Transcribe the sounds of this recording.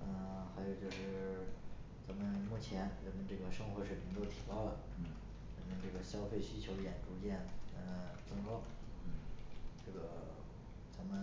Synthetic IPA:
ə˧xa˧˥ɪjo˨˩ʊt͡ɕjo˥˧ʊʂɻ̩˥˩ | t͡sa˧˥mə˧nmu˥˩t͡ɕʰjɛ˧˥nɻə˧˥nmə˧nʈ͡ʂɤ˥˩ɡə˩ʂɤ˥ŋxwɔ˧˥ʂɻ̩ʰ˥˩i˧˥t̪o˥ʊt̪ʰi˨˩pɑ˥˩ʊlə˩˥˩ | ɻə˧˥nmə˧ʈ͡ʂɤ˥˩ɡə˩ɕjɑ˥ʊfe˥˩ɪɕy˥t͡ɕʰjo˧˥ʊjɛ˨˩nʈ͡ʂu˧˥t͡ɕjɛ˥˩nə˧t͡sɤ˥ŋkɔ˥ | ʈ͡ʂɤ˥˩ɡə˩ | t͡sa˧˥mə˨˧n

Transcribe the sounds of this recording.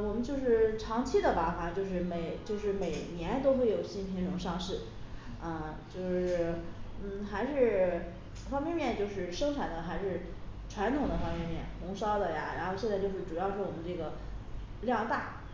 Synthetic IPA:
wɔ˨˩mə˦nt͡ɕjo˥˧ʊʂɻ̩˥˩ʈ͡ʂʰɑ˧˥ŋt͡ɕʰi˥d̪ə˨pa˧˥fa˨˩t͡ɕjo˥˧ʊʂ̬ɻ̩˥˩me˨˩ɪt͡ɕjo˥˧ʊʂɻ̩˥˩me˨˩ɪnjɛ˧˥nt̪o˥ʊxwe˥˩ɪjo˨˩ʊɕi˥˩npʰi˧˥ŋʈ͡ʂʊ˧˥ŋʂɑ˥˧ŋʂɻ̩˥˩ | ə˧t͡ɕjo˥˧ʊʂɻ̩˥˩n̩˥˩xa˧˥ɪʂɻ̩˥˩˧ | fɑ˥ŋmjɛ˥˧nmjɛ˥˧nt͡ɕjo˥˧ʊʂɻ̩˥˩ʂɤ˥ŋʈ͡ʂʰa˨˩nd̪ə˦xa˧˥ɪʂɻ̩˥˩ | ʈ͡ʂʰwa˧˥nt̪ʰʊ˨˩ŋd̪ə˦fɑ˥ŋmjɛ˥˧nmjɛ̰˥˩nxʊ˧˥ŋʂɑ˥ʊd̪ə˨ja̰˨˩ɻa̰˧˥nxo˥˧ʊɕjɛ˥˧nt͡sa˥˧ɪjo˥˧ʊʂɻ̩˥˩ʈ͡ʂu˨˩jɑ˥˧ʊʂɻ̩˥˩wɔ˨˩mə˦nʈ͡ʂɤ˥˩ɡə˩ | ljɑ˥˧ŋt̪a˥˩

